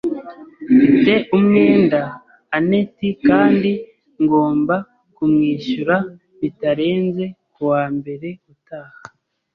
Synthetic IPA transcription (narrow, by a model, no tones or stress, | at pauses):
te̞ʔumŋe̞ːndaː | ne̞tikaːndi | ŋɡo̞ːmba | kumŋiːʃuɾa | βitaɾe̞ːnze̞kuwaːmbe̞ɾe̞utaːha